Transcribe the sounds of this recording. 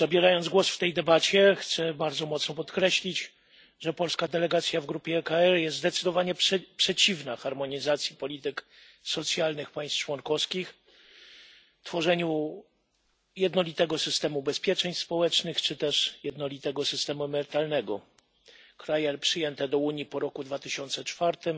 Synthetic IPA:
zabʲjɛɾajɔnd̪zɡwɔsft̪ɛjd̪ɛbat͡ɕɛxt̪sɛbaɾd̪zɔmɔt̪snɔpɔt̪kɾɛɕlʲid͡ʑ | ʐɛpɔlskad̪ɛlɛɡat̪sʲjavɡɾupʲjɛːkaɛɾjɛst̪zd̪ɛt̪sɨd̪ɔvaɲɛppʂɛt͡ɕivnaxaɾmɔɲizat̪sʲjipɔlʲit̪ɘk | sɔt̪sʲjalnɘxpaj̃st̪t͡ʂwɔŋkɔskʲix | t̪fɔʐɛɲu | jɛd̪nɔlʲit̪ɛɡɔsɘst̪ɛmubɛspʲjɛt͡ʂɛɲspɔwɛt͡ʂnɘxt͡ʂɘt̪ɛʂjɛd̪nɔlʲit̪ɛɡɔsɘst̪ɛmuɛmɛɾɘt̪alnɛɡɔ | kɾajɛpʂɘjɛnt̪ɛd̪ɔuɲjipɔɾɔkud̪vat̪ɘɕɔnt̪sɛt͡ʂfaɾt̪ɘm

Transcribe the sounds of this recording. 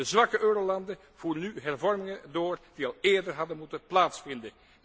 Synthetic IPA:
əzʋɑkəʔøːɾolɑndə | v̥uːrənyɦɛrvɔrmɪŋədoːrd̥iɑlˠeːɹdərɦɑdənmutənplaːtsfɪndə

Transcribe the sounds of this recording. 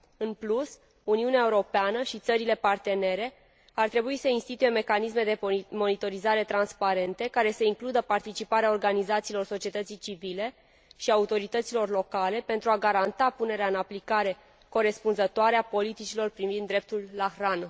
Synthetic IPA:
ɨnplus | uniuneaeuɾo̞peanəʃit̪səɾile̞part̪e̞ne̞ɾe̞ | art̪ɾe̞buisəinst̪it̪uje̞me̞kanisme̞d̪e̞mo̞nit̪o̞ɾizaɾe̞t̪ɾanspaɾe̞nt̪e̞kaɾe̞səiŋklud̪əpart̪it͡ʃipaɾeaorɡanizat̪siːlo̞rso̞t͡ʃie̞t̪ət̪sijt͡ʃivile̞ | ʃiaut̪o̞ɾit̪ət̪silo̞rlo̞kale̞pe̞nt̪ɾuaɡaɾant̪apune̞ɾeaɨnaplikaɾe̞ | ko̞ɾe̞spunzət̪oaɾeapo̞lit̪it͡ʃilo̞rpɾivind̪ːɾe̞p̚t̪ulːaxran

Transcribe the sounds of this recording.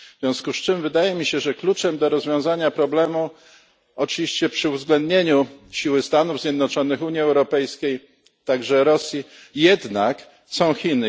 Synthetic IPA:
zz̥vʲjɔ̃w̃skust͡ʂɘmvɘd̪ajɛmʲiɕɛʐɛklut͡ʂɛmd̪ɔɾɔzvʲjɔ̃w̃zaɲapɾɔblɛmu | ɔt͡ʂɨvʲiɕt͡ɕɛpʂɘuvzɡlɛnd̪ɲeɲuɕiwɘst̪anuvzʲjɛd̪nɔt͡ʂɔnɘxuɲiɛwɾɔpɛjskʲej | t̪aɡʐɛɾɔsʲji | jɛd̪nak | sɔ̃w̃xʲinɘ

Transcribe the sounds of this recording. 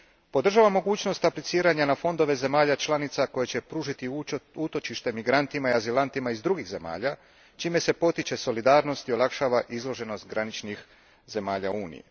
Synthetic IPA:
po̞d̪r̩ʒaʋamːo̞ɡuːt͡ɕno̞st̪aplit̪siːɾaɲanafo̞nd̪o̞ʋe̞ze̞maːʎat͡ʃlˠanit̪sako̞jet͡ɕe̞pɾuːʒit̪iut̪o̞t͡ʃiʃt̪e̞miɡɾant̪imaiazilant̪imaizd̪ɾuɡiɣze̞ma̰ːʎa | t͡ʃiːme̞se̞po̞t̪it͡ɕe̞so̞lid̪aːɾno̞st̪io̞lakʃaːʋaʔizlo̞ʒe̞no̞st̪ɡɾanit͡ʃnix | ze̞maːʎa̰uːnḭjḭ

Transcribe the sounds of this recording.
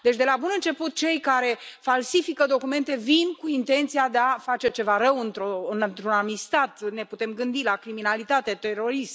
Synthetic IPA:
d̪e̞t͡ʃʲd̪e̞labunɨnt͡ʃe̞put̪̚t͡ʃe̞jkaɾe̞falsifikəd̪o̞kume̞nt̪e̞vinkuint̪e̞nt̪sijad̪eafat͡ʃe̞t͡ʃe̞vaɾəwɨnt̪ɾoɨnnt̪ɾunamist̪at̪ne̞put̪e̞mɡɨnd̪ilakɾiminalit̪at̪et̪e̞ɾo̞ɾist̪

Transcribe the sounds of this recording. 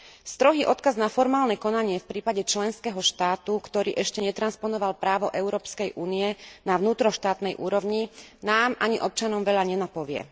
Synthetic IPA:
st̪ɾɔɦiːʔɔt̪kaznafɔɾmaːlnɛkɔnaɲɪɛfpɾiːpaɟɛt͡ʃlɛnskɛːɦɔʃt̪aːt̪ukt̪ɔɾiːʔɛʃcɛɲɛt̪ɾanspɔnɔʋalpɾaːʋɔʔɛʊɾɔːpskɛjʔuːniɛnaʋnuːt̪ɾɔʃt̪aːt̪nɛjʔuːɾɔʋɲinaːmʔaɲiʔɔp̚t͡ʃanɔmʋɛʎaɲɛnapɔʋɪɛ̰

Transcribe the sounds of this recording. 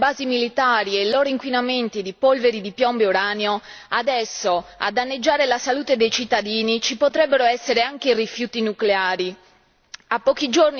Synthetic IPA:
baːzimilit̪aːɾielːɔːɾiŋkwinament̪id̪ipolveɾid̪ipjɔmbeoɾaːneoad̪ɛsːoa̰d̪anːed͡ʒːaːɾelasaluːt̪ed̪ejt͡ʃit̪ːad̪iːnit͡ʃipot̪ɾɛbːeɾoɛsːeɾeaŋk̟eirifjuːt̪inukleaːɾi | apːɔk̟id͡ʒorni

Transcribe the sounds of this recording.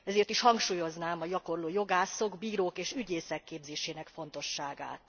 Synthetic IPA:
ɛzeːrt̪iʃhɒŋkʃuːjo̞znaːmɒjɒko̞rloːjo̞ɡaːso̞ɡbiːɾoːkeːʃyɟeːsɛkːeːbzeːʃeːnɛkfo̞nt̪o̞ʃːaːɡa̰ːt̪

